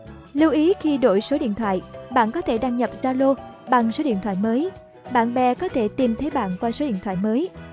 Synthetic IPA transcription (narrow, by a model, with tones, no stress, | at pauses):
li˧wʔi˨˦xi˧ɗo̰˧˩jso˨˦ɗḭ˧˨ənt̪ʰwa̰ː˧˨jɓa̰ː˧˨nkɔ˨˦t̪ʰe˧˩ɗaː˧ŋɲə˨˩p̚zaː˧lo˧ɓa˨˩ŋso˨˦ɗḭ˧ənt̪ʰwa̰ː˧˨jməː˨˦j | ɓa̰ː˧˨nɓɛ˧kɔ˨˦t̪ʰe˧˩t̪i˨˩mt̪ʰə˨˦jɓa̰ː˧˨nkwaː˧so˨˦ɗḭ˧˨ənt̪ʰw̰aː˧˨jməː˨˦j